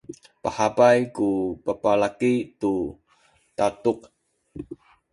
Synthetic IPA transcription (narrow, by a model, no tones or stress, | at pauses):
pahapajkupapalakitu | tatuq̚